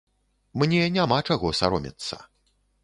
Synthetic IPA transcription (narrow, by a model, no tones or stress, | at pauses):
mnʲɛnʲamat͡ʂaɣɔsa̰ɾɔmʲḭt̪sːɐ̰